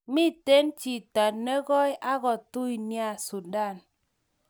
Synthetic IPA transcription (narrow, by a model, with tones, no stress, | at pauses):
mi˦˨te˦nt͡ʃi˨ta˨tne˦ɡɔ˦jʔa˦ɣɔ˨tu˦i˨nja˦˨su˨da˦˨n